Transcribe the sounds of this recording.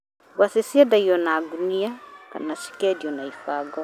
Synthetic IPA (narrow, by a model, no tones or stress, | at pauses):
wasesiɛdaiɔnaɡuniaka̰nasi̥kɛdiɔnaifaɡɔ